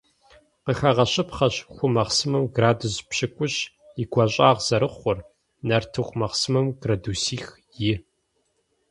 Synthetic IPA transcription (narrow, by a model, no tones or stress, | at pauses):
qəxɐʁɐɕʼɪpχɐɕxʷʊmɐχsɨmɐmɡraːduzpɕɪkʷʼʊɕ | ɪɡʷɐɕʼaːʁz̥ɐɾɨχʷʊr | nɐrtʰɨxʷmɐχsɨmɨmɡrɐduːsiːx | jɪ